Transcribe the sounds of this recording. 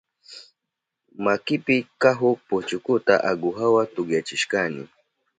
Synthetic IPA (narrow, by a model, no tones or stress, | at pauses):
makipikaɦʊput͡ʃʊkut̪aʔaɡuɦawat̪uɡjat͡ʃiʃkanḭ